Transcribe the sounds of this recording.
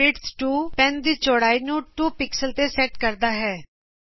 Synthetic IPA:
ɪʈsʈuːpɛnd̪iːt͡ʃoːɽaːiːnũːʈuːpɪksəlt̪eːsɛːʈkəɾd̪aːɦɛː

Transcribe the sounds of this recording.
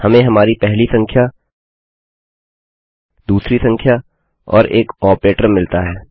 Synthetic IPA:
hɐmẽɦɐmaːɾipɛɦlisɐ̃ŋkʰja | d̪uːsɾisɐ̃ŋkʰja | ɔ̰ːɾeːkɔːpɾeːʈəɾmɪlt̪aɦɛː

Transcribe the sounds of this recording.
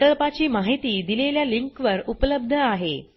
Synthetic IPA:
t̪əɭpat͡ɕiːmaɦit̪iːd̪ileljaliŋkʋəɾupələbd̪ʱəaɦḛ

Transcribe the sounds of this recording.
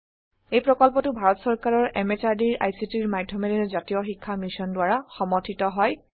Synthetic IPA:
ejpɹɔkɔlpɔtʊbʱaɹɔtsɔɹkaɹɔɹʔɛmesaɹdiɹa̰jsitiɹmaɡdʱːɔmɛɾɛzatijɔxikʰːamisɔndʊwaɹaxɔmɔtʰitɔɦɔj

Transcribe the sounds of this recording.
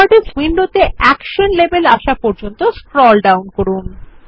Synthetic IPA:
aɾɖeswinɖot̪eɛkʃonlebelaʃapɔɾd͡ʑont̪oskɾɔlɖawnkoɾun

